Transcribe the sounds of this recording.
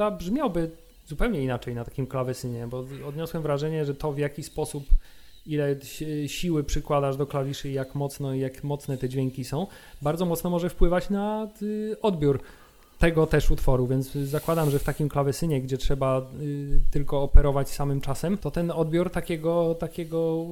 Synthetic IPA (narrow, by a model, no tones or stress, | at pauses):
abʐmʲjawbɘ | zupɛwɲɛinat͡ʂɛjnat̪ḁkʲimklavɛsɘɲɛbɔɔd̪ɲɔswɛmvɾaʐɛɲɛʐɛt̪ɔvjakʲispɔsup | ilɛɛɕiwɘpʂɘkwad̪aʐd̪ɔklavʲiʂɘjakmɔt̪snɔijakmɔt̪sn̪ɛt̪ɛd͡ʑvʲɛŋkʲisɔ̃w̃ | baɾd̪zɔmɔt̪snɔmɔʐɛfpwɘvat͡ɕna | ɔd̪bʲjuɾ | t̪ɛɡɔt̪ɛʂut̪fɔɾuvʲjɛnt̪szakwad̪amʐɛft̪akʲimklavɛsɘɲɛɡd͡ʑɛtʂɛba | t̪ɘlkɔːpɛɾɔvat͡ɕsamɘmt͡ʂasɛmt̪ɔt̪ɛnɔd̪bʲjuɾt̪akʲɛɡɔt̪akʲɛɡɔ